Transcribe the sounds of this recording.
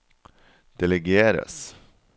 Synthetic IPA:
d̪̥ɛlɛɡeːɾə̰s

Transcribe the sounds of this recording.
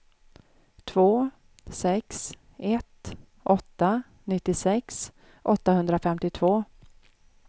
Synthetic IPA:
t̪ʰvoː | sɛks | ɛt̪ | ʔɔt̪ːa | nɪt̪ːɪsɛks | ʔɔt̪ːaɦɵnd̪ɾafɛmt̪ɪt̪ʰvoː

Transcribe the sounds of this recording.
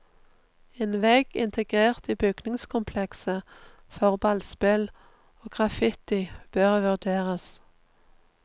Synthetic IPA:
eːnʋeːɡ̥ɪ̰nt̪ʰəɡʁeːʁt̪iːbʏɡ̥nɪŋskʰʊmpʰlɛksə | fɔʁbɑlspɪl | oːɡ̥ʁɑfɪt̪ɪb̥øːʁʋʉʁd̪eːʁəs

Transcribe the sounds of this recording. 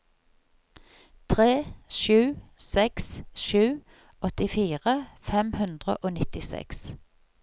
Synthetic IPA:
t̪ʰʁeːʃʉːsɛksʃʉː | ɔt̪ɪfiːʁəfɛmhʉnd̪ʁə̰ʔoːnɪt̪ɪsɛ̰ks

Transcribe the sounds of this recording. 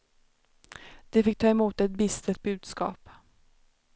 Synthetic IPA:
d̪̥ɛfɪk̚ːt̪ʰɑːɛmuːt̪ɛt̪̚bɪst̪ʰət̪̚bʉ̟ːd̪skɑ̰ːp

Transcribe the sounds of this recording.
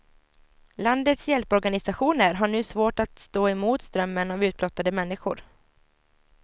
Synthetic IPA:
land̪ət̪sjɛlpɔɾɡanɪsaɧuːnəɾɦaɳʉ̟ːsvoːʈat̪st̪oːɛmuːt̪st̪ɾœmːənavʉ̟ːt̪̚blɔt̪ːad̪əmɛnːɪɧʊ̰ɾ

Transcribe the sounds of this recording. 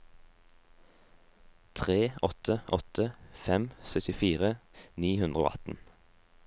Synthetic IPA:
t̪ʰʁeːɔt̪ʰəʔɔt̪ʰəfɛmsœt̪ɪfiːʁəniːhʉnd̪ʁəo̰ːʔɑ̰t̪n̩

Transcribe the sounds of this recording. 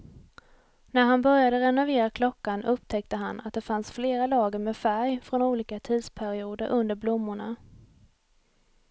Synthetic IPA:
næɾɦanbœɾjad̪əɾɛnʊveːɾakʰlɔkːanɵpt̪ʰɛk̚t̪əɦana̰t̪̚d̪ɛfansfleːɾalɑːɡəɾmeːfæɾjfɾɔnuːliːkat̪ʰiːd̪spʰæɾɪuːd̪əɾʔɵnd̪əɾblʊmːʊɳa̰

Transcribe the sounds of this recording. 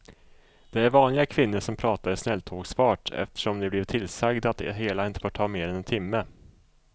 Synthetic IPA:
d̪̥ɛæɾvɑːnlɪɡakʰvɪnːəʂɔmpʰɾɑːt̪aɾɪsnɛlːt̪ʰoːɡsfɑːʈɛ̰ft̪ə̥ʂɔmd̪ɛblɪvt̪ʰɪlsaɡd̪at̪̚d̪ɛɦeːlaɪnt̪ə̥foːʈʰːɑːmeːɾɛnɛnt̪ʰɪmːə

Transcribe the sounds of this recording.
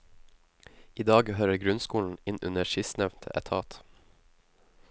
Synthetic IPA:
iːd̪ɑːɡhøːɾəɡɾʉnskuːln̩ɪnʔʉ̰nəʃɪsnɛʋnt̪ʰəʔɛ̰t̪ʰɑːt̪

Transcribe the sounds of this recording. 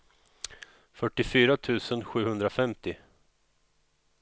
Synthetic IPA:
fœʈːɪfyːɾat̪ʰʉ̟ːsənɧʉ̟ːhɵnd̪ɾafɛmt̪ɪ

